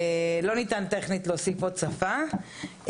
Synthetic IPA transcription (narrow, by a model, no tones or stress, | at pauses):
lo̞nit̪ant̪e̞χnit̪losifot͡safa